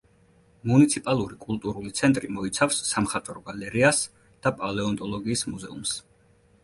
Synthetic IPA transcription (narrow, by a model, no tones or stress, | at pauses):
munit̪sʰipʼalˠuɾikʼulˠt̪ʼuɾulit̪sʰɛnt̪ʼɾimɔit̪sʰafsːamχat̪ʼɾɔɡalɛɾias | d̪̥apʼalɛɔnt̪ʼɔlˠɔɡiːsmuzɛums